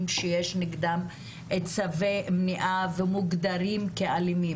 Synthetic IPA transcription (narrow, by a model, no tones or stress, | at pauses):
mʃejeʃniɡd̪am | ʔet͡savemniʔavemuɡd̪aɾimkealimi